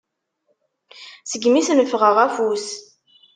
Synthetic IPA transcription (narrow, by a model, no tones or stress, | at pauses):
səɡmisnəfʁəʁæfus